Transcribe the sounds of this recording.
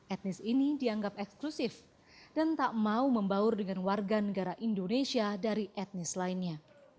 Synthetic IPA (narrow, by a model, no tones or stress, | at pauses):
ʔɛt̪̚nɪsinidiaŋɡap̚ɛksklusɪf | d̥ant̪aʔmauməmbaʊrdəŋanwarɡanəɡaɾaʔindonesiadaɾiʔɛt̪̚nɪslainɲa